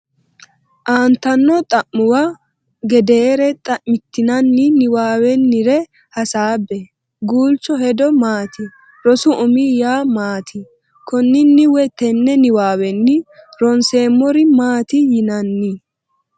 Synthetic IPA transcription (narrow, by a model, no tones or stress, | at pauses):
ʔaːnt̪ːɐnːɔt̪ʼɐʔːʊwa | ɡɛd̪eːɾɛt̪ʼɐʔmɪt̪ːɪnɐnːɪnɪwaːwɛnːɪɾɛ | hɐsaːbːɛ | ɡuːlt͡ʃːɔhɛd̪ɔmaːt̪ɪ | ɾɔsʊʔʊmijaːmaːt̪ʰɪ | kɔnːɪnːɪwɛt̪ɛnːɛnɪwaːwɛnːɪɾɔnseːmːɔɾɪmaːt̪ɪjɪnɐnːɪ